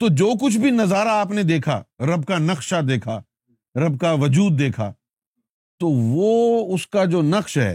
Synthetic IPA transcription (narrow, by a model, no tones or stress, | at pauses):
t̪oːd͡ʒoːk̬ʊt͡ʃʰbʱinɐzaːɾaaːpned̪eːkʰa̰ːɾɐb̚kanɐxʃad̪eːkʰaː | ɾɐb̚kaʋɐd͡ʒuːd̪̚ːeːkʰa̰ː | t̪oːʋoːʊskad͡ʒoːnɐqʃɦɛ̰ː